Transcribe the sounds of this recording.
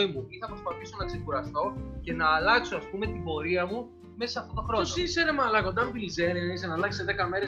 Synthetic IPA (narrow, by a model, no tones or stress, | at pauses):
imuiθɐpɾo̞spɐθiso̞nɐkse̞kuɾɐst̪o̞ce̞nɐːlɐksoɐspume̞t̪ibo̞ɾiɐmu | me̞sɐsɐft̪ot̪o̞xɾo̞sisenemɐlɐko̞nd̪ɐmut̪ilizeniɐisenɐlɐçi̥seðekɐme̞ɾe